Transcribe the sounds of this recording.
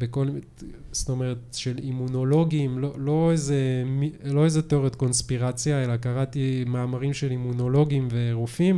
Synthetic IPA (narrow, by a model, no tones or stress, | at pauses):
bekol | sto̞meʁetʃe̞limuno̞lo̞ɡimlolo̞ezemilo̞ezet̪o̞ʁet̪ko̞nspiʁat͡sjae̞lakaʁat̪imaːmaʁimʃe̞limuno̞lo̞ɡimve̞ːʁufim